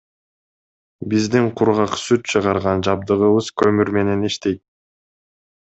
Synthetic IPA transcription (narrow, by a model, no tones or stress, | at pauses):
bizd̪iŋqʰʊɾʁɑqsyt̪̚t͡ʃʰɯʁɑɾʁɑnd͡ʒɑb̚d̪ɯʁɯβɯz̥kʰø̞myɾme̞ne̞niʃt̪e̞jt̪̚